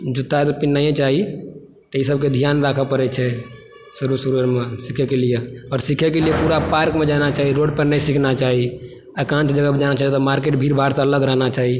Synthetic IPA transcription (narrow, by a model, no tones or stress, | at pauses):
d͡ʒut̪ːat̪ɔpinːaẽt͡ʃaɦi | t̪ɔisəb̚ked̪ʱijanɾakʰəpəɾɛt͡ʃʰɛ | suɾusuɾəɾmẽsikʰɛkelijeɔːɾsikʰɛkelijepuɾapaɾkmed͡ʒanat͡ʃaːɦiɾoɖpəɾnɛisikʰnat͡ʃaɦi | əkãnʈd͡ʒəɡəbd͡ʒanat͡ʃait̪ɔmaɾkeʈbʱiɾbʱaɾsẽələɡɾəɦnat͡ʃaɦi